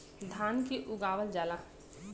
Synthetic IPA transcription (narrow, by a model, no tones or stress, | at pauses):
d̪ʱaːnkeʔʊɡaːʋəld͡ʒaːla